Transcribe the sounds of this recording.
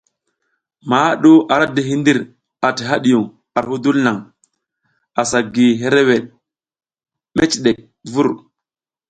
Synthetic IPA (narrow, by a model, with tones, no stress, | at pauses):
ma˨˦ɗu˦ʔa˨ɾa˦di˨ɦi˦ndi˦ɾ | a˨ti˨ɦa˦ɗi˨ju˨ŋ | a˨ɾhu˦du˦lna˨ŋ | a˨sa˨ɡi˨ɦe˦ɾe˦we˨ɗ | me˦t͡ʃɗe˨k̚ | vu˦ɾ